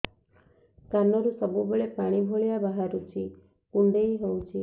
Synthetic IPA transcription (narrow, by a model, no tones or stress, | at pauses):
kanɔɾusɔbubeɭepaɽ̃ibʱoɭijabaɦaɾut͡ʃʰi | kuɳɖejɦowt͡ʃʰi